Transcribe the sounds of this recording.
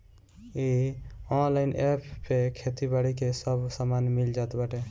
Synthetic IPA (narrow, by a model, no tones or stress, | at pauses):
iɔnlaɪnʔepʰːekʰet̪ibəɽikesəbsamanmild͡ʒat̪bəʈe